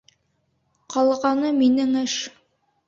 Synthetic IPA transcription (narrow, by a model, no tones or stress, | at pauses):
qɑlˠʁɑnɤminɘŋɘʃ